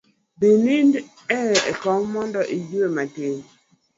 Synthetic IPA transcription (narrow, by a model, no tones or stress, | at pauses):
binind | ɛḛkɔmmɔndɔʔid͡ʒuematen